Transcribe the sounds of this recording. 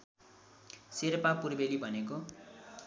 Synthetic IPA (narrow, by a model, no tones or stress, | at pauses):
sirpapurbelibʱʌneko